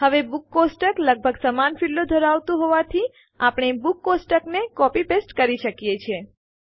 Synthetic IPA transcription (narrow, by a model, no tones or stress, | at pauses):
ɦəʋebukːosʈəkləɡ̚bʱəɡsəmanfilod̪ʱəɾaʋt̪ũɦoʋat̪ʰi | apɳ̃ebukːosʈəknekɔpipesʈkəɾiʃəkjet͡ʃʰe